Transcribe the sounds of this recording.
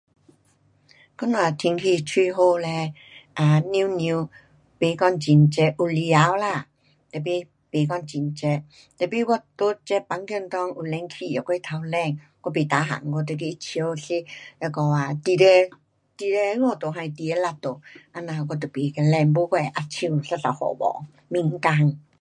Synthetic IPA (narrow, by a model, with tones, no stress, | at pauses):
kɔ˦na˨t̪ʰi˧ŋkʰi˧t͡ɕʰwi˥˧ɦo˧˨lɛ˧ | ʔa˧˩ni˧˦nĩ˧ | pe˨˦kɔ˥˧ŋt͡ɕi˨˩nt͡ɕɛ˧ʔu˨li˧a˨˦wla˧˨ | t̪ə˨˩pi˦ | pe˨kɔ˥˧nt͡ɕi˨nt͡ɕɛ˧ | t̪ə˨pi˧ɡɔ˥˧t̪o˦t͡ɕɛ˦˥pa˨˧˦ŋkjə˥˧˨nt̪ɔ˧˦ŋu˨˩lɛ˧ŋkʰi˧˨jɔ˨˩kʷe˧˦t̪ʰa˧wlɛ˥˧˨ŋ | kɔ˧pe˨t̪a˨˦ɦa̰˨ŋɡɔ˧˨t̪̬ə˧k̬e˧˦i˦t͡ɕʰə˧˦wɬi˦ja˧˩kɔ˧˨a˨t̪i˧˨ɾe˧ | t̪i˧˨ɾe˧˦ŋɔ˧˨t̪o˨ɦã˧i˨t̪i˨e˦la˧˨t̪o˨ʔa˧nã˧˨˧kɔ˧t̪o˨˩pe˨kɛ˧lɛ˧˨ŋbo˧˦kʷɛ˧˨˧ʔa˧t͡ɕʰĩ˧u˨ɬa˦˧ɬa̰˨whɔ̰˨bɔ̰˨ | mĩ˧ŋ̩˦ka˧ŋ